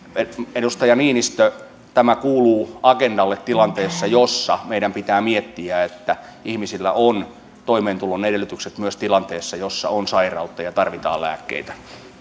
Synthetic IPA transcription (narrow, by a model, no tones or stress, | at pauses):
eedust̪ɑjɑniːnist̪ø | t̪æmækuːluːɑkendɑlːet̪tilɑnt̪eːsːɑjosːɑmeiɾæmpit̪æːmiet̪ːiæet̪ːæ | ihmisilːæ̰ʔon | t̪oimeːnt̪ulonːedelˑːyt̪ykset̪myøst̪ilɑnt̪eːsːɑjosːɑ̰onsɑirɑut̪ːɑjɑt̪ɑrʋit̪ɑ̰ːlæ̰ːkːḛit̪æ̥